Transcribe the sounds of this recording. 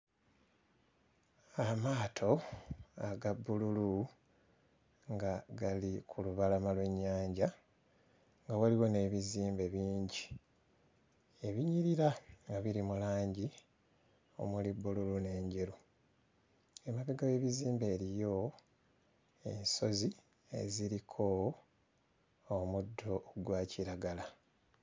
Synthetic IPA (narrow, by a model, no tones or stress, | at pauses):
amaːtʰo̞aɡabːululu | ŋɡaɡalikʰuluβalamalwe̞ɲːaːɲɟa | ŋɡawaliwo̞ne̞ːβiziːmbe̞βiːɲɟi | e̞βiɲiɾiɾaŋɡaβiɾimulaːɲɟi | o̞̰mulibːululune̞ːɲɟe̞ɾu | e̞maβiɡawe̞βiziːmbe̞ːɾijo̞ | e̞̰nso̞zi | e̞̰ziɾikʰo̞ | mudːo̞ɡwaːciɾaɡala